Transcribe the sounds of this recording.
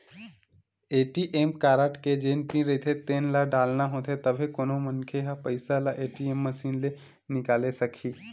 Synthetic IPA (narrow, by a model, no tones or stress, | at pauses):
eʈiʔemkaɾaʈked͡ʒẽnpĩɾəɦit̪ʰet̪eːnlaɖalnaɦõt̪ʰet̪əbʱekoːnomənkʰeɦapəɪsalaʔeʈiemːəsiːnle | nɪkalesəkʰiː